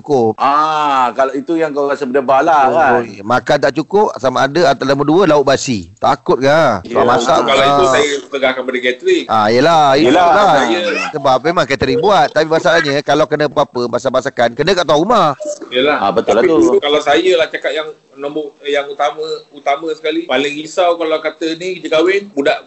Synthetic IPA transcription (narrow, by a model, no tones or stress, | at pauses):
ukʊp̚akalait̪ujaŋkawasəbədabalaamakant̪aʔt͡ʃukʊp̚samaːdəat̪alaməduəlaʊt̪ʔ̚basit̪akʊt̪̚kaamasa̰ʔkalauajət̪əɡahkanpadəkɛt̪ɾikʔa̰ijəlailalaajəsəbap̚memãŋkət̪əɾiŋbuat̪̚ːapimasalahɲəkalawkənəpapəmasabasakankənə̃kaʔt̪awaʔumahijəlaabət̪ʊlat̪uukalawsajəlaht͡ʃakat̪̚jaŋ | nɔ̃mbʊjaŋut̪amə̃ut̪amə̃sə̥kalipalɪŋhisawkalawkat̪ənikəd͡ʒəkawɪnbudaʔ